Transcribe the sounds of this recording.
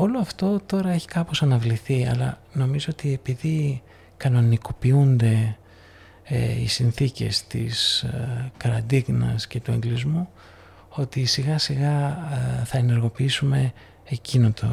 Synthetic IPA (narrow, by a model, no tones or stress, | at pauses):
o̞loɐft̪o̞t̪o̞ɾɐe̞çi̥kɐpo̞sɐnɐvliθiɐ̰lɐ̰ | no̞mizo̞o̞t̪ie̞piði | kɐno̞niko̞piund̪e̞ | ḛḭsinθice̞st̪ḭs | kɐɾɐd̪iɣnɐ̰sce̞t̪ue̞ŋɡlizmu | o̞t̪isiɣɐsiɣɐ | θɐene̞ɾɣo̞piisume̞ | ecinot̪o̰